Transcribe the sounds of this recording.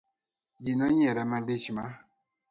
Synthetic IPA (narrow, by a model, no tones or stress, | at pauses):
d͡ʒinɔɲɛɾɛmadet͡ʃima